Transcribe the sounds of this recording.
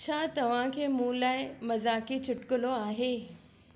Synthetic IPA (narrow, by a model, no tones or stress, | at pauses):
t͡ɕʰaːt̪ɐʋ̤ãkʰeːmũːlaːɪmɐzaːkit͡ɕʰʊʈkəloaːɦe